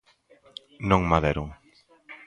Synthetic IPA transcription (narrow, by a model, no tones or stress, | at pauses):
nõŋmaðeɾoŋ